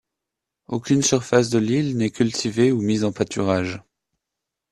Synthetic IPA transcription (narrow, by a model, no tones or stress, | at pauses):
okʲynsyʁfas̬d̪əlilnɛkʲylt̪ʰiveumizɑ̃pat̪ʰyʁaʒ